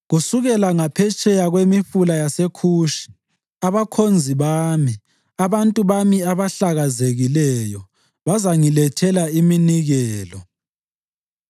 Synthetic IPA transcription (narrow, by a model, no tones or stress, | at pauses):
ɣusuɣɛlaŋapʰɛt͡ʃʼɛjaɣwemiɸulajasekʰuːʃi̥ | aβakʰond͡zʱiβaːmi | aβantʼuβamiaβaɬaɣazeɣilɛjɔ | βazaŋilɛtʰɛlaiminiɣɛːlɔ